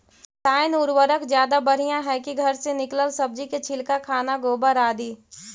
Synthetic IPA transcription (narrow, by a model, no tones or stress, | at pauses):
taːɪnʊɾwəɾəkzjaːd̪abɐɽ̤ijãɦɛkiɡʱɐɾsenɪkləlsɐb̚d͡ʒiket͡ʃʰɪlkakʰaːnaɡoːbəɾaːd̪iː